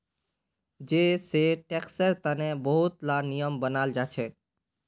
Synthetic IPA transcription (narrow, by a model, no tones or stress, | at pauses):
d͡ʒeseʈeksəɾt̪ənebəɦut̪lanijəmbənald͡ʒat͡ʃʰɛ